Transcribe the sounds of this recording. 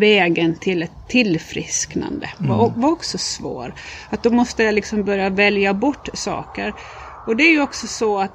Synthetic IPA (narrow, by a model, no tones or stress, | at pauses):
vɛːɡənt̪ʰɪlɛt̪ʰːɪlfɾɪ̰skna̰nd̪ə̰va̰ɔvaɔksɔsvo̰ːɾat̪̚d̪ɔmɔst̪əjalɪksɔmbœɾjavɛljabɔʈːsɑ̰ːkəɾ | ɔd̪ɛæɾjɵɔksɔsɔat̪